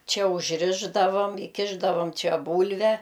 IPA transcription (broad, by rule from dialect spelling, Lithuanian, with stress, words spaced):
ˈt͡ʃʲɛ ʊʒʲˈrʲɪʒdɐʋoːm ɪˈkʲɪʒdɐʋoːm ˈt͡ʃʲɛ ˈbuːlʲʋʲɛ